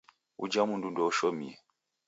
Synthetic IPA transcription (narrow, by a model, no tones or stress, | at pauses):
ṵd͡ʒamundundɔɔʃɔmḭɛ